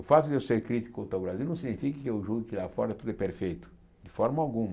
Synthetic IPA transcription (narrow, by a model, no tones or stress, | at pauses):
ʊfat̪ʊd̪ɪewseɾkɾit̪i̥kʊot̪awbɾazilnɐ̃wsiɡnifikɪkɪewʒuɡɪkɪlafɔɾɐt̪ud̪ʊɛpeɾfejt̪ʊ̥ | d̪ɪfɔɾmɐawɡũm